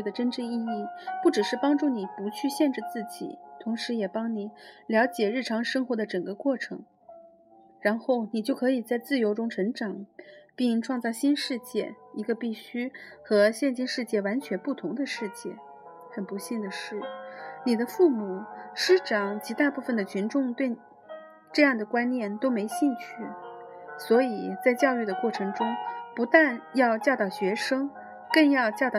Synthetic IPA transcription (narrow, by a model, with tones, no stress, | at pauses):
d̪ə˩ʈ͡ʂə˥nʈ͡ʂə˥˧i˥˧i˥˩pu˥˩ʈ͡ʂɻ̩˨˩ʂɻ̩˥˩pɑ˥ŋʈ͡ʂu˥˩ni˨˩pu˧˥t͡ɕʰy˥˧ɕjɛ˥˧nʈ͡ʂɻ̩˥˧t͡sɹ̩˥˩t͡ɕḭ˨˩˦t̪ʰʊ˧˥ŋʂɻ̩˧˥jɛ˨˩pɑ˥ŋni˨˩˦ljɑ˧˥ʊt͡ɕjɛ˨˩ɻɻ̩˥˩ʈ͡ʂʰɑ˧˥ŋʂɤ˥ŋxwɔ˧˥d̪ə˧ʈ͡ʂɤ˨˩ŋɡə˧˦kwɔ˥˩ʈ͡ʂʰɤ˧˥ŋ | ɻa˧˥nxo˥˩ʊni˨˩t͡ɕjo˥˩ʊkʰɤ˧˥i˨˩t͡sa˥˧ɪt͡sɹ̩˥˩jo˧˥ʊʈ͡ʂʊ˥ŋʈ͡ʂʰɤ˧˥ŋʈ͡ʂɑ˨˩˦ŋpi˥˧ŋʈ͡ʂʰwɑ˥˧ŋt͡sɑ˥˩ʊɕi˥nʂɻ̩˥˧t͡ɕjɛ˥˩i˧˥ɡə˧pi˥˩ɕy˥xɤ˧˥ɕjɛ˥˧nt͡ɕi˥nʂɻ̩˥˧t͡ɕjɛ˥˩wa˧˥nt͡ɕʰɥɛ˧˥npu˥˩t̪ʰʊ˧˥ŋd̪ə˧ʂɻ̩˥˧t͡ɕjɛ˥˩ | xə˨˩npu˧˥ɕi˥˩ŋd̪ə˩ʂɻ̩˥˩ni˨˩d̪ə˦fu˥˩mu˨˩ʂɻ̩˥ʈ͡ʂɑ˨˩˦ŋt͡ɕʰi˧˥t̪a˥˧pu˥˩fə˩nd̪ə˩t͡ɕʰy˧˥nʈ͡ʂʊ˥˧ŋt̪we˥˩ɪ | ʈ͡ʂɤ˥˧jɑ˥˩ŋd̪ə˩kwa˥nnjɛ˥˩nt̪o˥ʊme˧˥ɪɕi˥˧ŋt͡ɕʰy˥˩swɔ˧˥i˨˩t͡sa˥˧ɪt͡ɕjɑ˥˧ʊy˥˩d̪ə˩kwɔ˥˩ʈ͡ʂʰɤ˧˥ŋʈ͡ʂʊ˥ŋpu˧˥t̪a˥˧njɑ˥˧ʊt͡ɕjɑ˥˧ʊt̪ɑ˥˩ʊɕɥɛ˧˥ʂɤ˥ŋ | kə˥˧ŋjɑ˥˧ʊt͡ɕjɑ˥˧ʊt̪ɑ˥˩